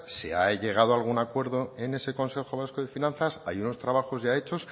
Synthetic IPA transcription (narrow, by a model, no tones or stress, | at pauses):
seaʎe̞ɣ̞aðoalɣ̞unakwe̞ɾðoene̞se̞ko̞nse̞xo̞β̞asko̞ðe̞finãnθasajuno̞st̪ɾaβ̞axo̞zʝae̞t͡ʃo̞s